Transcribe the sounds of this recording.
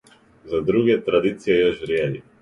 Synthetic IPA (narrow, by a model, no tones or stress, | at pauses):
zad̪ɾuɡɛt̪ɾad̪it̪sijɛjɔʃɾjɛli